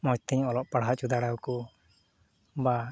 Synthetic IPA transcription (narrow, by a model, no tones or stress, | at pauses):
mɔt͡ʃt̪ʰɛɲɔlɔʔpaɽ̤ɦaʔt͡ʃud̪aɽawku | ba